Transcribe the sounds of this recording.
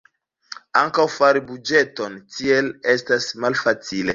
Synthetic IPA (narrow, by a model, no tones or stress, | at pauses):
aŋkawfaɾibud͡ʒe̞to̞ntie̞le̞stasmalfat͡sile̞